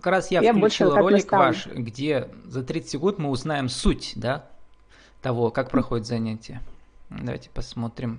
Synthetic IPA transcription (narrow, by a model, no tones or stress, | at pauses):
kɐkɾasjafklʲt͡ɕilˠro̞lʲɪkvaʂɡdʲezɐt̪ɾʲit̪sə̥tʲɡot̪mɨʊznajɪmsutʲd̪a | t̪ɐvo̞kak̚pɾɐxodʲɪt̪zɐnʲætʲɪjəd̪ɐva̰jtʲɪ̥pɐsmo̞t̪ɾʲɪm